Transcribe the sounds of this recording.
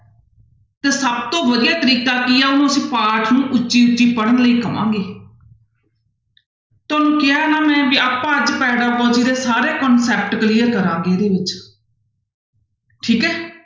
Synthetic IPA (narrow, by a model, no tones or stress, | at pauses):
t̪eːsəbt̪õːʋəd̪ɪjaːt̪əɾiːkaːkiːjaːʊnũːəsĩːpaːɾʈʰnũːʔʊt͡ʃːʃiːʊt͡ʃːiːpəɽənləiːkəmã̰ːŋɡeː | t̪oːnũːkɪaːnaːmɛ̃ːʋiːaːpːãːəd͡ʒpɛːɖaːbɔːd͡ʒiːd̪eːsaːɾeːkɔnsɛːp̚ʈkliːəɾkəɾãːɡeːɾeːʋɪt͡ʃ | ʈʰiːkɦɛː